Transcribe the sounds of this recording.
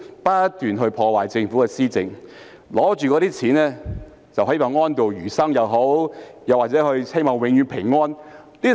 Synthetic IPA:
paː˥t̪yː˨nɦɵ˧ɥpʰɔː˧waː˨˩jt͡sɪ˧ŋfuː˨˥kɛː˧siː˥t͡sɪ˨ŋ | lɔː˨˥t͡ʃyː˨kɔː˨˥ɾiː˥t͡sʰiː˨˥nlɛː˥ | t͡sɐ˨˩wɦɐ˨˥jpaː˨˩ŋɔː˥nt̪o˨wjyː˨˩sɐ˥ŋjɐ˨wɦo˨˥wjɐ˨waː˨t̚t͡sɛː˨˥hɵ˧ɥhe˥jmɔː˨ŋwɪ˨˥ŋjyː˨˧˥npʰɪ˨˩ŋːɔː˥n | liː˥

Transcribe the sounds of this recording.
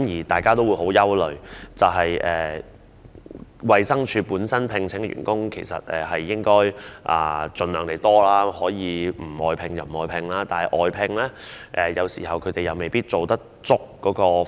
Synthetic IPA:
mjiː˨˩t̪aː˨jkaː˥t̪o˥wuː˨˧jho˨˥wjɐ˥wlɵ˨ɥt͡sɐ˨wɦɐ˨jʔɛː˨ | wɐ˨jsɐ˥ŋt͡ʃʰyː˧puː˨˥nsɐ˥npʰɪ˧ŋt͡sʰɪ˨˥ŋ˧ɥy̰ː˨˩nkʊ˥ŋkʰe˨˩jsɐ̰˨t̚ɛː˨˩hɐ˨jːɪ˥ŋkɔː˥jʔa̰ː˨˧t͡sɵ˨nlœː˨˩ŋt̪e˨˩jt̪ɔː˥laː˥hɔː˨˥jiː˨˧m̩˨˩ɔː˨jpʰɪ˧ŋjɐ˨˩m̩˨˩ɔː˨˧jpʰɪ˧ŋlaː˥t̪aː˨nhɐ˨jʔɔː˨jpʰɪ˧ŋlɛː˥ | ʔɛː˨jɐ˨˧wsḭː˨˩hɐ˨wkʰɵ˨˧˥t̪e˨jɐ˨wme˨jpiː˥t̚t͡so˨wt̪ɐ˥k̚t͡sʊ˥k̚kɔː˨˥kɔː˧

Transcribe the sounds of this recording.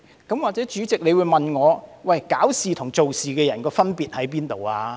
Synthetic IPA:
kɐ˨˥mwaː˨k̚t͡sɛː˨˥t͡ʃyː˨˥t͡sɪ˨k̚ne˨˧jwuː˨˧jmɐ˨nŋɔː˨˧wɐ˨jkaː˨˥wsiː˨t̪ʰʊ˨˩ŋt͡so˨wsiː˨kɛː˧jɐ˨˩nkɔː˧fɐ˥npiː˨t̚hɐ˨˥jpiː˥nt̪o˨waː˧

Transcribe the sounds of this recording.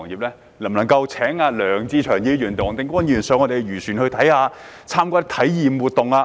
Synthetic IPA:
ŋjiː˨p̚lɛː˥ | lɐ˨˩mnɐ˨˩ŋkɐ˧wt͡sʰɛː˨˥ŋaː˧lœː˨˩ŋt͡siː˧t͡ʃʰœː˨˩ŋjiː˧jyː˨˩nt̪ʊ˨ŋt̪ɪ˨ŋkʷɔː˥njyː˨˩nsœː˨˧ŋɔ˨˧t̪e˨˩jɥyː˨˩syː˨˩nhɵ˧ɥt̪ʰɐ˨˥jhaː˨˧ | t͡sʰaː˥mkʷɔː˧t̪ɪ˥t̪ʰɐ˨˥jjiː˨mwuː˨˩t̪ʊ˨ŋaː˧

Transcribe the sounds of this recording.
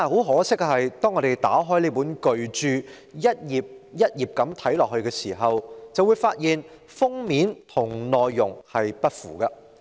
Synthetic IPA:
aː˨˩ho˨˥wɦɔː˨˥sɪ˥k̚ːhɐ˨jt̪ɔː˥ŋɔ˨˧ɾe˨˩jt̪aː˨˥ɦɔː˥jliː˥puː˨˥nkɵ˨ɥt͡ʃyː˨˧ | jɐ˥t̚jiː˨p̚jɐ˥t̚jiː˨p̚kɐ˨˥mt̪ʰɐ˨˥jlɔː˨k̚hɵ˧ɥkɛː˧siː˨˩ɦɐ˨wt͡sɐ˨wuː˨˧jfaː˧t̚jiː˨n | fʊ˥ŋmiː˨˥nt̪ʰʊ˨˩ŋnɔː˨jːʊ˨˩ŋhɐ˨jpɐ˥t̚fṵː˨˩kɐ˧

